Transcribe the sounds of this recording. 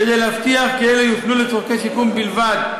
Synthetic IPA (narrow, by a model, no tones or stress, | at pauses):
ked̪ejlehaft̪iaχkeelejut̪nulet͡soʁkeʃikumbilvad̪̚